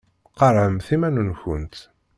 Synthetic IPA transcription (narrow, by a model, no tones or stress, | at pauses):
qɑɾˤʕəmθimænunçənt̪